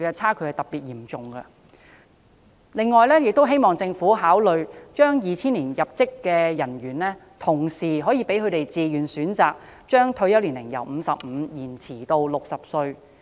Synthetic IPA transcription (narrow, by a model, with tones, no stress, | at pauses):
kɛ˧t͡sʰaː˥kʰɵ˨˥hɐ˨˧jt̪ɐ˨˩p̚piː˨t̚jiː˨˩mt͡sʊ˨ŋɡɐ˧ | lɪ˨˧ŋːɔː˨jlɛː˥jɪ˨k̚t̪o˥wɦe˥jmɔː˨˩ŋt͡sɪ˧ŋfuː˨˥ɦaː˨˥wlɵ˨ɥt͡ʃœː˥ŋjiː˨t͡sʰiː˥nliː˨˩njɐ˨p̚t͡sɪ˥kːɛː˧jɐ˨˩nɥyː˨˩nlɛː˥ | t̪ʰʊ˨˩ŋsiː˨˩ɦɔː˨˥jiː˧pe˨˥jkʰɵ˨˧ɥt̪e˨jt͡siː˨jyː˨˩nsyː˨˥nt͡saː˨k̚ | t͡ʃœː˥ŋt̪ʰɵ˧ɥjɐ˥wliː˨˩nlɪ˨˩ŋjɐ̰˨˩wm̩ː˨˧sɐ˨p̚m̩˨˧jiː˨˩nt͡sʰiː˨˩t̪o˧wlʊ˨k̚sɐ˨p̚sɵ˧ɥ